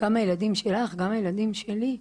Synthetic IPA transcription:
ɡ̥amajelad̪imʃe̞laχɡamajelad̪imʃeli

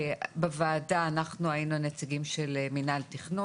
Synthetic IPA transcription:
bevaːdaːnaχnuajinunet͡siɡimʃelminalt̪iχno

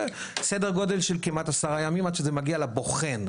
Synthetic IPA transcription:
sedeʁɡo̞d̪elʃelkimat̪asaʁajamimad̪ʃezemaɡialabo̞χen

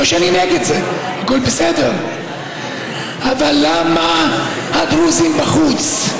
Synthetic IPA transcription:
oʃɛanineɡed̪zeaɡulbesedeʁ | avalːama | haɡʁuzimbaχut͡s

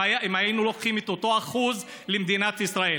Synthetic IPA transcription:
aemajijnulo̞kχimet̪ot̪o̞aχuz | lemd̪inat̪isʁae

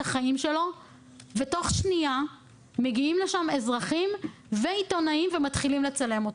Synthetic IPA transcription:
aχaimʃe̞lo̞ | veto̞χʃnia | me̞ɡiimle̞ʃame̞zʁaχim | veito̞naimvematχilimle̞t͡sale̞mot

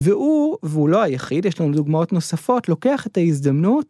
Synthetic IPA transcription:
veʔuveulo̞hajaχidjeʃlanumduɡmao̞tno̞safo̞tlo̞ke̞aχe̞taizd̪amnut

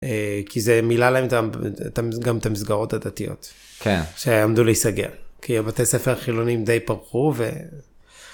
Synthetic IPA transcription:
ekizemilalahemt̪atamɡamet̪amisɡaʁo̞thadatijo̞̰t | kenʃeamduleisaɡe̞̰lkiabat̪esefeʁχilo̞nimdejpaʁχuvḛ

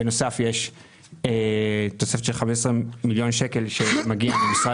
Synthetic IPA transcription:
eno̞safjeʃ | et̪o̞se̞feʃelχameʃesʁemiljo̞nʃeke̞lʃe̞maɡiamemisʁa

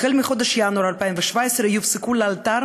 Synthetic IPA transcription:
χelmiχod̪ɛʃjanuaɾalpaimveʃvaesɾejufsekulealt̪aɾ

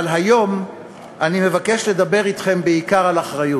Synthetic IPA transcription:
lɦajo̞m | ʔanime̞vake̞ʃle̞d̪abe̞ʁit̪χe̞mbeikaʁalaχʁajut

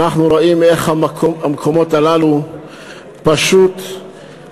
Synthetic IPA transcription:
naχnuɾoime̞χhamakʰomamkʰo̞mo̞talalu | paʃut

